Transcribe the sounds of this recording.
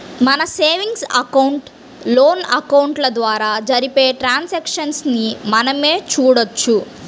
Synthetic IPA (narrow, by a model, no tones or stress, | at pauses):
mɐnɐseːʋiŋɡsɐkɐwuɳʈ | lo̞ːnɐkɐwɳʈlɐd̪ʋaːɾaːd͡ʒɐɾipeːʈɾaːnsekʂɐnsnimɐnɐme̞ːt͡ʃuːɽɐt͡ʃːu